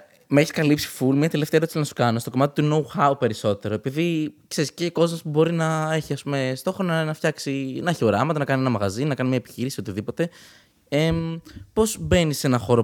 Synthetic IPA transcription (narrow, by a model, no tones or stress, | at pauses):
meeçiskɐlipsi̥fulmiɐt̪e̞left̪eɐɾot̪it͡snɐsu̥kɐno̞st̪o̞ko̞mɐt̪it̪uno̞uxɐupe̞ɾiso̞t̪e̞ɾoepiðikse̞ɾisceko̞zmospubo̞ɾinɐe̞çiɐspume̞st̪o̞xɾonɐnɐftçɐksinɐeçio̞ɾɐmɐt̪ɐnɐkɐnienɐmɐɣɐzinɐkɐnimɲɐepi̥çiɾisio̞t̪iðipo̞t̪e̞ | epo̞zbe̞nise̞nɐxo̞ɾo